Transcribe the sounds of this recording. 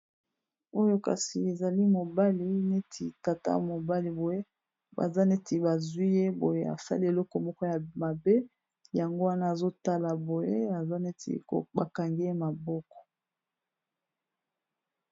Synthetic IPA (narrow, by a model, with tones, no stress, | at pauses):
o˦jo˦ka̰˨si˨e˨za˨li˦mo˨ba˦li˨ne˦tʰi˨ta˨ta̰˦mo˨ba˦li˨bo˨je˦ | ba̰˨za˦ne˦te˨ba˨zwi˦je˦bo˨je˦a̰˨sa̰˦li˦e˨lɔ˦kɔ˨mɔ˦kɔ˦ja˨ma˨be˦ | ja˨ŋɡo˦wa˦na˦a˨zo˦ta˦la˨bo˨je˦a˨za˦ne˦tʰḭ˨o̰˨ba˨ka˨ŋɡe˦je˦ma˨bɔ˦kɔ̥˨